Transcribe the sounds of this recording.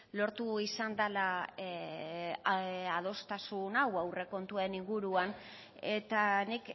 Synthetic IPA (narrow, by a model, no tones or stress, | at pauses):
lo̞ɾt̪uisand̪ala | að̞o̞st̪asunawawre̞ko̞nt̪uaeniŋɡuɾuan | e̞t̪anik